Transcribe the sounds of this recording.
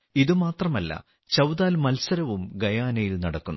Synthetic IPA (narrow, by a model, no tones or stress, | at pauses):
iðɨmaːt̪rɐmɐlːɐ̰ | t͡ɕɐwðaːlmɐlsɐɾɐʋumɡɐjaːnɐjilnɐɽɐkːunː